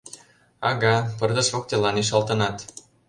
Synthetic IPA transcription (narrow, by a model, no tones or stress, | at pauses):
ɑɣɑpɤ̆rd̪ə̆ʃβok̚t̪elɑniʃ̬ɑlt̪ɤ̆nɑt̪